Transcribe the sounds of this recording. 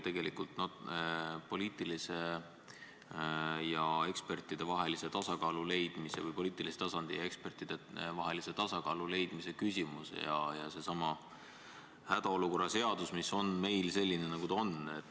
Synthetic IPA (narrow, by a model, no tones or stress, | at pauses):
t̪e̞ɡe̞likult̪no | po̞liːt̪ˑilise̞ | jɑe̞kspe̞rt̪ːˑid̪̥e̞vɑɦe̞lise̞t̪ɑsɑkɑːlule̞jd̪̥mise̞vɯjpo̞liːt̪ˑilise̥t̪ɑsɑnd̪̥ijɑekspe̞rt̪ˑid̪̥evɑɦe̞lise̞t̪ɑsɑkɑːlule̞jd̪̥mise̞kysʲimusḛjɑ̰jɑse̞sɑmɑ | hæd̪̥ɑo̞luko̞rːɑse̞ɑd̪̥usmiso̞nme̞jlse̞lʲːinenɑɡ̥ut̪ɑonet̪ː